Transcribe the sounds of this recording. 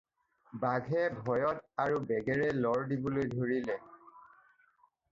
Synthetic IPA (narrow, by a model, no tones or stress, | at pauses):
baɡʱɛbʱɔjɔtaɹubɛɡɛɹɛlɔɹdibolojdʱoɹilɛ